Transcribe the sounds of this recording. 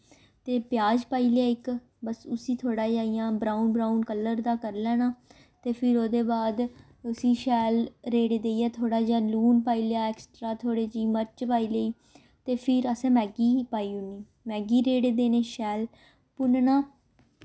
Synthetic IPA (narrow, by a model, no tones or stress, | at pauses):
t̪eːpjaːd͡ʒpaːiːlejaːɪk | bəsʊsĩːt̪ʰoːɽaːd͡ʒaːijãːbɾaːunbɾaːunkələɾd̪aːkəɾlɛːnaː | t̪eːpʰɪɾoːd̪eːbaːd̪ | ʊsiːʃɛːlɾeːɽeːd̪eːiɛːt̪ʰoːɽaːd͡ʒãːluːnpaːiːljaːɛːksʈɾaːt̪ʰoːɽeːd͡ʒiːməɾt͡ʃpaːiːleiː | t̪eːpʰɪɾəsɛ̃ːmɛːɡiːpaːiːʊnːiː | mɛːɡiːɾeːɽeːd̪eːneːʃɛːl | pʊnnaː